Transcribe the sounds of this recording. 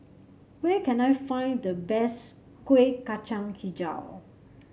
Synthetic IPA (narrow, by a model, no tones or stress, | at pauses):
wɛkɛ̃najfãj̃ndəbɛs | kwekːat͡ʃãŋkʰid͡ʒa̰w